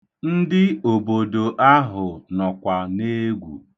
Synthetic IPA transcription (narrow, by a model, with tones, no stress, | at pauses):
n̩˦dɪ˦o˨bo˨do˨ʔa˦ɦʊ˨nɔ˨kʷa˨ne˦ɡʷṵ˨